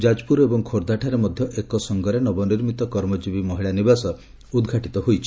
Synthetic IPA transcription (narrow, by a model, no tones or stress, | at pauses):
d͡ʒad͡ʒpuɾebɔŋkʰoɾd̪aʈʰaɾemɔd̪ʱjɔʔekɔsɔŋɡɔɾenɔbɔniɾmit̪ɔkɔɾmɔd͡ʒibimɔɦiɭanibasɔ | ud̪ɡʱaʈit̪ɔɦojt͡ʃʰi̥